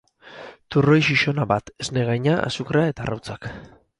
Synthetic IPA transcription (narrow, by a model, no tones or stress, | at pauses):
t̪uro̞jʃiʃo̞naβat̪e̞zne̞ɣajɲaʔa̰sukɾae̞t̪arawt͡sak